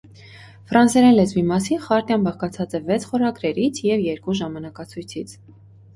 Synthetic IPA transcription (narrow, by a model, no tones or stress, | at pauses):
fɾɑnsɛɾɛnlɛzvimɑsinχɑɾt̪jɑnbɑʁkɑt͡sʰɑt͡sɛvɛt͡sʰχɔɾɑɡɾɛɾit͡sʰjɛvjɛɾkuʒɑmɑnɑkɑt͡sʰujt͡sʰit͡sʰ